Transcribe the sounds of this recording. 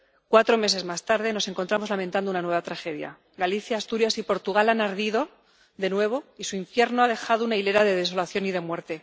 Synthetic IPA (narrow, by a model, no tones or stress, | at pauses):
kwat̪ɾo̞me̞se̞zmast̪aɾðe̞no̞se̞ŋko̞nt̪ɾamo̞zlament̪and̪ounanwe̞βat̪ɾaxe̞ðja̰ | ɡaliθjaːst̪uɾjasipo̞ɾt̪uɣ̞alanaɾðiðo̞ | ðe̞nwe̞β̞o̞isuiɱfje̞ɾnoað̞e̞xaðounaile̞ɾaðe̞ðe̞s̬o̞laθjo̞nið̞emwe̞ɾt̪e̞